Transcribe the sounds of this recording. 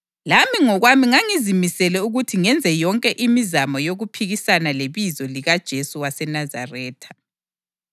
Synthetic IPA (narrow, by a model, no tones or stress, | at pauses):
lamiŋɔɣwamiŋaŋizimisɛlɛuɣutʰiŋɛnd͡zʱɛjɔŋkʼɛʔimizamɔjoɣupʰiɣisanaleβizɔliɣad̥ʒ̥ʱesuwasɛnaza̰rɛːtʰḁ